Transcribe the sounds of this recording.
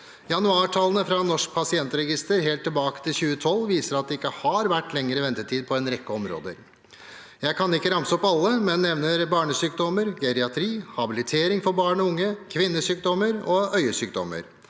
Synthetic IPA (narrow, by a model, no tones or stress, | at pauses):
jɑnʉɑːʈʰɑlːənəfɾɑnɔʂk̚pʰɑsɪɛnt̪əɾɛɡɪst̪əɾɦeːlt̪ːɪlbɑːkə̥t̪ʰɪlçʉːət̪ʰɔlːʋiːsəɾɑt̪̚d̪ɛɪkːəhɑɾʋæʈːlɛŋːəɾəʋɛnt̪ət̪ʰiːd̪̚pʰɔɛnɾɛkːəɔmɾo̰ːd̪ə̰ɾ | jæɪkʰɑnɪkːəɾɑmsəɔpɑlːəmɛnːɛʋnəɾbɑːɳəsyːk̚d̪ɔməɾɡɛɾɪɑt̪ʰɾiːhɑbɪlɪt̪ʰeːɾɪŋfɔɾbɑːɳɔʊŋːəkʰʋɪnːəsyːkd̪ɔməɾɔœʏəsyːk̚d̪ɔ̰mə̰ɾ